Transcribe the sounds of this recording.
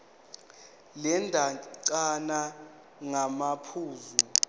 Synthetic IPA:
lɛndʱaǀana | ŋamapʰuːzu

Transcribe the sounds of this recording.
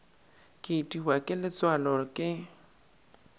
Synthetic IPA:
kʼɪtʼiɦwakʼɪlɪt͡sʼwalɔkʼɪ

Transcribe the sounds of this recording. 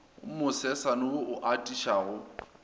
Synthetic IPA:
mʊsɛsanʊʊʔʊʔatʼiʃaɣʊ

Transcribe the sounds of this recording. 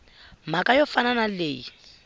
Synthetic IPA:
makʼajɔfananaleːji

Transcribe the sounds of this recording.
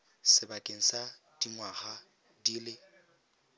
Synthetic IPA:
sɪbakʼeŋ̩sa | d̥iŋwaχa | diːlɪ

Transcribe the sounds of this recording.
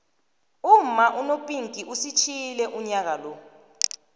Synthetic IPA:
um̩maʔunopʼiŋkʼiʔusit͡ʃʰilɛʔuɲak̬alɔ

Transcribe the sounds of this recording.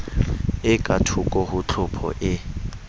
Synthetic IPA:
ɪkʼatʰʊkʼɔɦʊt͡ɬʰʊpʰɔ̰ʔɪ

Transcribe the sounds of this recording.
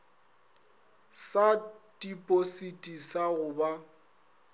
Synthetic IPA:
sa | dʼipʼositʼisaɣʊba

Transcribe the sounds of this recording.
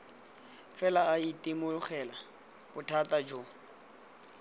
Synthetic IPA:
fɛlaːitʼimʊχɛla | bʊtʰatʼad͡ʒo

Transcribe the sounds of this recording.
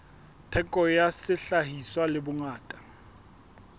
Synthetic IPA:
tʰɛkʼɔjasɪɬaɦiswalɪbʊŋaːtʼḁ

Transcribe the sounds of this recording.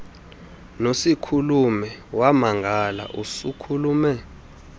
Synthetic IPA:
nosikʰulumɛwamaŋɡʱala̰ʔusukʰuluːmɛ

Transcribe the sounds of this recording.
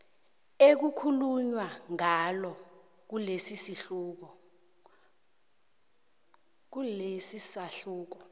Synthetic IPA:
ek̬ukʰuluɲwaŋalɔ | k̬ulesisiɬuk̬ɔ | k̬ulesisaɬuːk̬ɔ

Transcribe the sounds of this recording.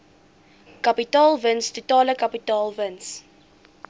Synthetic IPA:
kɐpitɑːlˠvənstutɑːləkɐpitɑːlˠvəns

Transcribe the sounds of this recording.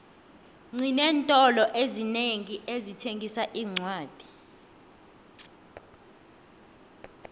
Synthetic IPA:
ŋ͡ǀʱinɛːntʼɔlɔʔezineŋiʔezitʰeŋʱisaʔiːŋ͡ǀwaːd̥ʱi̥

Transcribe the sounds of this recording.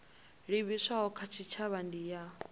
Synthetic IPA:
ɺiβisʷaɦɔkʰat͡ʃʰit͡ʃʰaβandija

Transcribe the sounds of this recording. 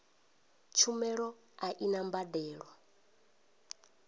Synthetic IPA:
t͡ʃʰumɛɺɔ | aʔinambadɛːɺwɔ

